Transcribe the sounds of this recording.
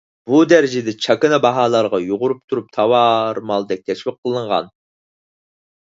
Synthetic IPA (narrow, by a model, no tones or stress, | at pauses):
b̥ud̪æɾɪd͡ʒɪd̪ɛt͡ʃʰɑkɨnɨbɑɦɑːlˠɑɾʁɑjoʁʊɾup̚t̪ʰuɾup̚t̪ʰɑwɑɾmɑlˠd̪ɛk̚ʲt̪ʰɛʃwiqʰːəlˠɨɴʁɑ̰n